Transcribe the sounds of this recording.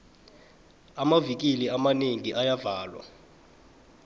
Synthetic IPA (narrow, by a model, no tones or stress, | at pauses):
amavik̬iliamaneŋiʔajavaːlwa̰